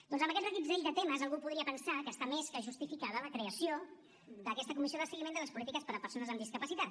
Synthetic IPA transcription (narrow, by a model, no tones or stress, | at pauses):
d̪ɔnzəmbəkɛt̪rəɣid̪zɛʎd̪ət̪eməzəlˠɣupuðɾiəpənsakəːst̪ameskəʒust̪ifikaðələkɾeəsio | d̪əkɛst̪əkumis̬ioðəsəɣimẽnd̪ələspulit̪ikəspəɾəpəɾsonəzəmd̪iskəpəsit̪at̪̚